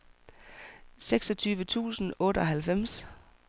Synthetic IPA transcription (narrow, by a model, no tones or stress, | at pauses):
seɡ̥sɒ̽t͡sʰyːʋət͡sʰṵːsn̩ɔ̽ːɾəɒ̽ɦælfem̰s